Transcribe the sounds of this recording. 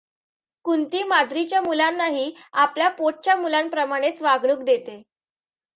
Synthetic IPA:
kunt̪iːmad̪ɾit͡ɕjamulanːaɦiːapljapoʈ̚t͡ɕjamulampɾəmaɽ̃et͡sʋaɡɳuːkd̪et̪e

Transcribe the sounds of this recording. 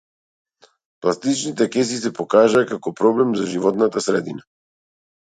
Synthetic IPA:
plˠast̪it͡ʃnit̪ɛkɛsisɛpɔkaʒaːkakɔpɾɔblɛmzaʒivɔt̪nat̪asɾɛd̪ina

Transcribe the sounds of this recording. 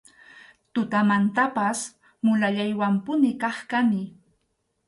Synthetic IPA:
t̪ʊt̪amant̪apas | mʊlaʎajwampʊnɪkɑχkanɪ

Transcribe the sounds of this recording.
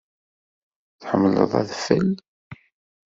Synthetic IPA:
θħəmːələ̰ðˤa̰ðfæl

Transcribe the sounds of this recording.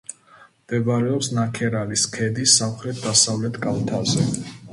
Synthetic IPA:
md̪̥ɛbɾɛɔpsnakʰɛɾaliskʰɛd̪isːamχɾɛt̪̚ʰd̪asavlɛt̪ʰkʼalt̪ʰazɛ

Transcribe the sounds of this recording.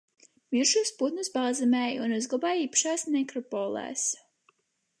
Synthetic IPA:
miɾʃuːsput̪nɨsbaːzɛmɛːjunuzɡlˠabaːjiːpḁʃaːsmekɾɔpɔːlˠɛ̰ːs

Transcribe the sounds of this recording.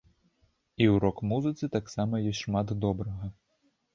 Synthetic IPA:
iwɾɔkmuzɨt̪sɨt̪aksamɐjɔsʲʂmat̪d̪ɔbɾɐɣɐ

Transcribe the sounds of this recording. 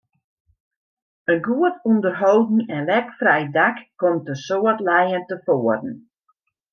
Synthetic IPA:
ənɡuətundərɦowdn̩ɛnlɛkfrɛjdakkomtəsoːətlɛjəntəfoərn̩

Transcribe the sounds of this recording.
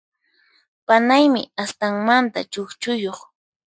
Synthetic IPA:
panajmɪast̪aŋmant̪a̰t͡ʃokt͡ʃʊjoχ

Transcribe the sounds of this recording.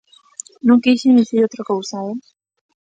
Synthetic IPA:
nõŋkejʃend̪iθiɾot̪ɾakowsae

